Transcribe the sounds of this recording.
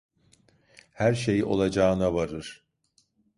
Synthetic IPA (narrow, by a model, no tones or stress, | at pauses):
hæɾʃejo̞̰lˠad͡ʒaːɯnavaɾɯɾ̥